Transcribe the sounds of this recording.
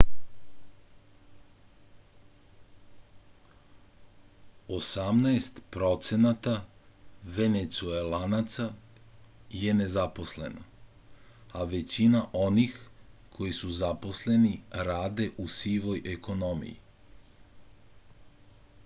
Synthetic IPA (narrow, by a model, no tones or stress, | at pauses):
osamnaest̪pɾo̞t̪se̞nat̪a | ʋe̞net̪suelanat̪sa | je̞ne̞zapo̞sle̞̰na̰ | aʋe̞t͡ɕinaʔo̞nixkʰo̞jisuzapo̞sle̞niɾaːd̪e̞ʔusiːʋo̞jʔekʰo̞no̞mḭjḭ